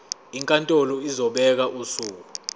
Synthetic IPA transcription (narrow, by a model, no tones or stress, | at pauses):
iŋkʼantʼɔlɔizɔɓɛk̬aʔusuːk̬u